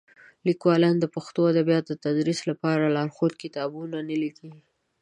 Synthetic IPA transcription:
likwɑlɑnd̪əpaxt̪oad̪abijɑt̪d̪ət̪ad̪ɾislapɑɾalɑɾxod̪kɪt̪ɑbunanəliki

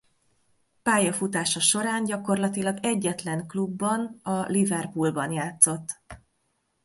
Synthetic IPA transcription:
paːjɒfut̪aːʃɒʃo̞ɾaːɲɟɒko̞rlɒt̪ilɒɡɛɟːɛt̪lɛŋklubːɒnɒlivɛrpulbɒnjaːt̪so̞t̪ː

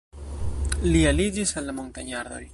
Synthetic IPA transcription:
lialid͡ʒisalːamont̪aɲaɾðo̰j

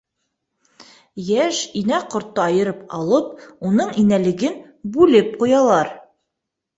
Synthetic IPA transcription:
jæʃinæqŏɾt̪ːɤɑjɤ̆ɾɤp̚ɑ̰lˠɤp̚unɤɴinælɘ̆ɡɘn | bʉlɘp̚qujɑlˠɑɾ

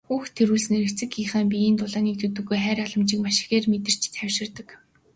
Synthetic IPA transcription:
xuːxt̪ʰːeɾuːɮsneɾɘ̆kt͡sɘ̆kiːχaːmpʲiiːnt̪ʊɮaːniːk̚t̪ʰɵt̪ɵ̆ɣːujχæːɾaɮə̆mt͡ɕĭːkmaʃɪ̥̆xeːrmet̪ɪ̆r̥t͡ɕʰt͡sʰæwʃɪ̆rt̪ə̆k

